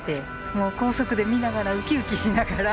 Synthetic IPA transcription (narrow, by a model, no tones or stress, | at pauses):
t̪e̞ | mo̞ːko̞ːso̞kɯ̟d̪e̞mʲinaɡaɾaɯ̟kʲiɯ̟kʲiɕinaɡaɾa